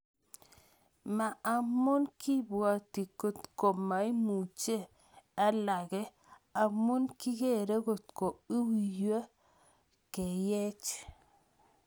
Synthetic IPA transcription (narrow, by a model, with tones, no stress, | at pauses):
ma˨a˨mo˦nkʰi˦bwa˨ti˨ko˨t̪ko˨ma˨i˦mu˨t͡ʃe˦ | a˦la˨ɡe˦ | a˨mo˦nki˦ɡe˦˨ɾe˦ɡo˨t̪ko˨i˦wi˨jə˦ | ke˨je˦t͡ʃ